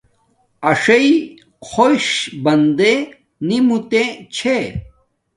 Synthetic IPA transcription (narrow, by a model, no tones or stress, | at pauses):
ɐʂɐi | xʰoɕbɐnd̪e | nimut̪ẽt͡ɕʰe